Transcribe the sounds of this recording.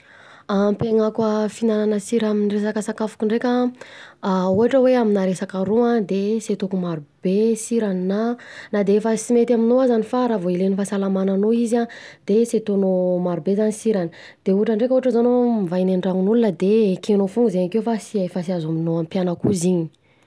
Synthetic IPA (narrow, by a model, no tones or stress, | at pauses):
ampeŋakwəfinananəsiɾaminiresakəsakafu̥kiɳɖ͡ʐekʲa | uɦaʈ͡ʂəweaminaɾesakaɾuãd̪eset̪okumaɾub̥esiɾaninanad̪eefəsimet̪aminoazanifaɾavoilenifasalamananoizad̪̥eset̪onomaɾubezanisiɾani̥ | d̪̥euɦaʈ͡ʂəɳɖ͡ʐekʲuaʈ͡ʂəzanomivajneɳɖ͡ʐaŋunulunəd̪ekenofuŋɡuzeɲakewfasiaefasiazaminoampjanakuziɲi̥